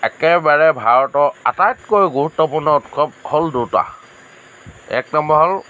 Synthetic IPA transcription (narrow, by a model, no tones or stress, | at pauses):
ɛkɛbaɹɛbʱaɹɔtɔa̰tajtkojɡuɹutːɔpuɹnɔutkʰɔp̚kʰɔlduta̰ | ɛ̰k̚nɔmbɔɦɔl